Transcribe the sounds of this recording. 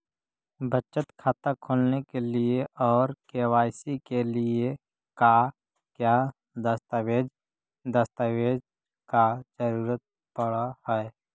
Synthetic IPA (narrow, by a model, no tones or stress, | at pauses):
bʱət͡ʃət̪kʰaːt̪akʰoːlnekelɪeʔɔːɾkeːwaːɪsikelɪe | ka | kja | d̪əst̪aweːd͡ʒ | d̪əst̪aweːd͡ʒ | kad͡ʒəɾuːɾət̪̚ | pəɽahɛɛ